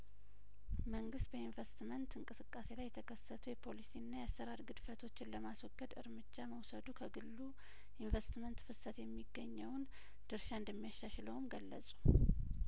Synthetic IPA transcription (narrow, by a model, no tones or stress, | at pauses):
məŋɡɨst̪̚bəinvest̪mənt̪ɨŋkʼɨsɨkʼːase̞lajːɛt̪ʰəkʰəsːət̪ʰujɛpʰo̞lisiɨnːajasːəɾaɾɡɨd̪fət̪ʰo̞t͡ʃːɪnləmaswɔɡːəd̪ɨ̰ɾmɨd͡ʒːaməwsəd̪ukʰəɡɨlːu | ʔinvest̪mənt̪fɨsət̪jɛmːiɡːəɲːəwn | d̪̥ɨɾʃaɨnd̪əmːijaʃːaʃləwmɡəlːə̰sʼu̥